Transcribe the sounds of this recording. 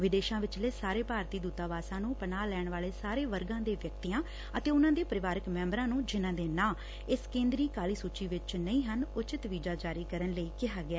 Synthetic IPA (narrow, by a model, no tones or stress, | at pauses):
ʋɪd̪eːʃãːʋɪt͡ʃleːsaːɾeːpaːɾt̪iːd̪uːt̪aːʋaːsãːnũːpənaːlɛːɳʋaːleːsaːɾeːʋəɾɡãːd̪eːʋjəkt̪iːjãː | ət̪eːʊnãːd̪eːpəɾɪʋaːɾɪkmɛ̃ːmbɾãːnũːd͡ʒɪnãːd̪eːnãː | ɪskẽːnd̪ɾiːkaːliːsuːt͡ʃiːʋɪt͡ʃnəĩːɦənʊt͡ʃɪt̪ʋiːd͡ʒaːd͡ʒaːɾiːkəɾənləiːkɪɦaːɡɪɛː